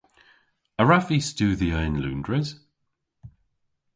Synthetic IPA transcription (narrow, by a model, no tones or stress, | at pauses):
əɹafistʉːðiəɪ̃nlʉ̰̃ːndɹɪz̥